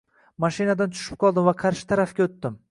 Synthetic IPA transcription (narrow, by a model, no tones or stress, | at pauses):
maʃɪnad̪ant̪ʰʊ̥ʃɪ̥p̚qʰɒlˠd̪ɪmvaqʰɑɾʃɪ̥t̪ʰaɾafɡʲaot̪ːɪm